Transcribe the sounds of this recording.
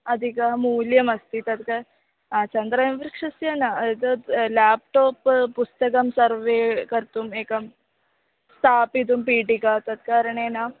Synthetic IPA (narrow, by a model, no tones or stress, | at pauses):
ɐd̪ʱikaɦamuːljəməst̪iːt̪ɐt̪ka | t͡ɕənd̪ɾajmʋɾikʂəsjanat̪əlæp̚ʈɔːpːust̪əkəmsəɾʋekəɾt̪uːmekam | st̪ʰapit̪̬uːmpiʈikat̪ɐt̪̚kaɾɳena